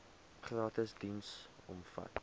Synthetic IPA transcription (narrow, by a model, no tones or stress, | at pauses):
χrɑːtəsdinsɔ̰mfɐ̰t